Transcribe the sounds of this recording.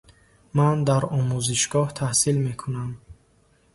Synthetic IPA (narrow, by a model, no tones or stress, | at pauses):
mand̪aɾɔmuziʃɡɔht̪ʰahsilme̞kʰunam